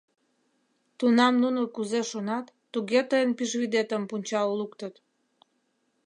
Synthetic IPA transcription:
t̪unɑmnunokuzeʃonɑt̪ːuɣet̪əjənpiʃβid̪et̪əmpunʲt͡ɕɑlukt̪ət̪

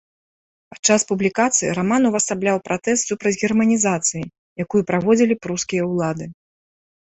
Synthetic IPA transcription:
pat̪t͡ʂaspublʲikat̪sɨjḭɾamanuvɐst̪ablʲawpɾat̪ɛs̬t̪supɾɐd͡zʲɣʲɛrmɐnʲizat̪sɨji | jakujupɾavɔd͡zʲilʲipɾuskʲijɐwlˠad̪ɨ

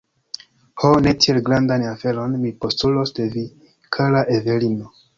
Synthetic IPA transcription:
hone̞tielɡɾandanafe̞ɾo̞nmipo̞stulosde̞vi | kʰalaʔeve̞lino

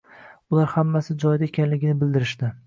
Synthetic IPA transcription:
ʊlaɾhamːasɪd͡ʒɒjd̪aekʲʰanlɪɡʲɪnɪbɪld̪ɪɾɪʃd̪ɪ

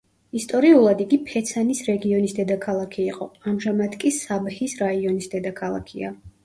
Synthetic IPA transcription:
ist̪ʼɔɾiulˠad̪iɡipʰɛt̪sʰanisɾɛɡiɔnisd̪ɛd̪akʰalˠakʰiːqʼɔamʒamad̪kʼisabhisɾaiɔnisd̪ɛd̪akʰalˠa̰kʰia̰

